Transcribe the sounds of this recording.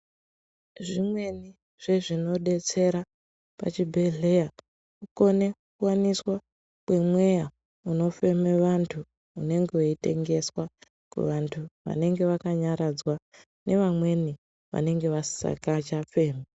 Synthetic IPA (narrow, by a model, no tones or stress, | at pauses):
ʐimwe̞ni | ʐ̥e̞ʐino̞ɗe̞t͡se̞ɾa | pa̰t͡ʃibʱe̞ɮe̞ja | uko̞ne̞kuwaniswa | kwe̞mwe̞ja | uno̞fe̞meʋantʰu | une̞ŋɡewoite̞̰ŋɡe̞swa | kṵʋantʰuʋa̰ne̞ŋɡe̞ʋakaɲaɾad͡zwa | nʔe̞ʋamwe̞ni | ʋa̰ne̞ŋɡe̞ʋḁsa̰kat͡ʃafe̞ːma